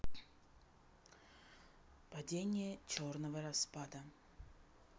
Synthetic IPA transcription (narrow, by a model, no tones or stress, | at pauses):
padʲenʲɪjət͡ɕornəvəɾɐspad̪ə